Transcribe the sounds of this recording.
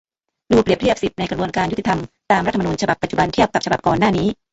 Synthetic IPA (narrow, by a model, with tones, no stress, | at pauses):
duː˧pɾi˨˩ət̪ʰi˥˩əp̚si˨˩t̪̚na˧jkɾbu˧ənkaː˧njt̪i˨˩t̪ʰa˧mt̪aː˧mɾt̪ːʰm˧uː˧nt͡ɕʰa˧ba˨˩pːa˨˩t̪̚t͡ɕu˨˩ba˧nt̪ʰi˥˩əp̚ka˨˩p̚t͡ɕa˧ba˨˩p̚kɔː˨˩nːaː˥˩niː˦˥